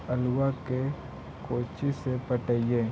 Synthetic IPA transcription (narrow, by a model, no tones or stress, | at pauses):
əlwake | koːt͡ʃisepəʈəijẽː